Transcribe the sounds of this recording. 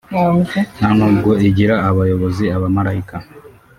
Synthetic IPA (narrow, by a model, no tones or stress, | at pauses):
nanuːb̚ɡo̞iɟiɾaːβajo̞βo̞ziaβamaɾaika